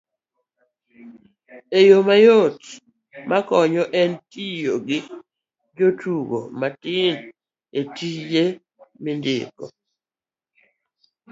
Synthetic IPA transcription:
ejomajot | makɔɲɔʔɛntijoɡɪ | d͡ʒotuɡo̰matɪn | etije | mɪndɪ̰kɔ̰

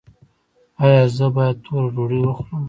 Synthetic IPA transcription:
ɑjɑzəbɑjad̪̚t̪ʰoɾad͡ʒoɽiwəxləm

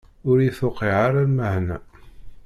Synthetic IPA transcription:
ʊɾiθʊqiʕaɾaɾməhnæ

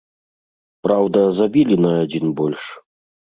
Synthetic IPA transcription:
pɾawd̪ɐzabʲilʲinɐːd͡zʲinbɔlʲʂ

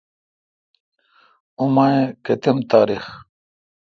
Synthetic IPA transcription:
umaẽket̪emt̪aːɾix

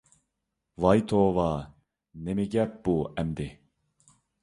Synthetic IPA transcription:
vɑjt̪ʰoːvɑ | nemiɡʲɛp̚b̥uɛmd̪ɪ

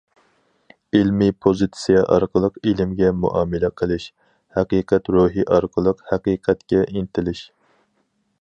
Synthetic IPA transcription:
ilmipʰozɨt̪sijɛʔɑ̰ɾqʰəlˠəqilɪmɡʲɛmṵʔɑːmɛlɛqʰəlˠɪʃ | hæqiːqʰɛt̪ɾoɦiʔɑɾqʰəlˠəqhæqiːqʰɛt̪kʲɛʔint̪ʰɪlɪʃ

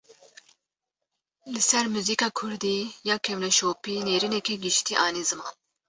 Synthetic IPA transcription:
lɨsɛɾmuziːkɑːkʰʊɾd̪iːjɑːkʰɛmlɛʃoːpiːneːɾinɛkiɡɨʃt̪iːʔɑːniːzɨmɑ̰ːn

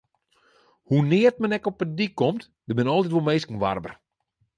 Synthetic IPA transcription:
hunɪːərt̚mɛnɛkɔpədikːɔmt | dəbɪnɔlˠtitʋolˠmeːskən̩ʋa̰rbə̰r

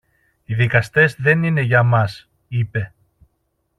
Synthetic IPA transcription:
iðikɐst̪e̞zðe̞nine̞ʝɐmɐs | ipe̞

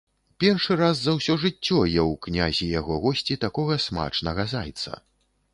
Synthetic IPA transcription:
pʲɛrʂɨɾazːɐwsʲɔʐɨt͡sʲːɔjɛwknʲazʲijaɣɔɣɔsʲt͡sʲit̪akɔɣɐsma̰t͡ʂnɐɣɐza̰jt̪sɐ̰

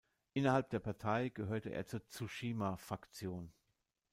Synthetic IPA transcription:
ʔɪnɐhalp̚d̥eːɐpʰaɐtʰaɪɡ̥əɦøːɐtəʔḛːɐt͡suːɐt͡suʃiːmafʁ̥akt͡sjoːn

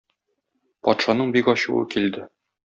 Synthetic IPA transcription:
pɒt̪ʃɑnɤɴbikɒɕṵɤ̰kild̪ɘ

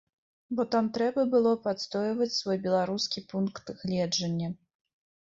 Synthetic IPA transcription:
bɔt̪amt̪ɾɛbɐbɨlˠɔpat̪st̪ɔjvɐt͡sʲsvɔjbʲɛlˠaɾuskʲipunkt̪ɣlʲɛd͡ʐɐnʲːɐ

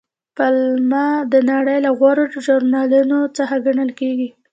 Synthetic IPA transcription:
palmɑd̪ənaɽəjlaɣwaɾadəʒʊɾnɑlunot͡səxaɡaɳəlkeɡi

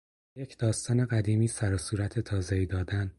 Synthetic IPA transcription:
jecʰd̪̥ɒːst̪ɒːne̞ɣæd̪iːmiːsæɾɒsuːɾæt̪ʰet̪ʰɒːzeiːd̪ɒːd̪æn

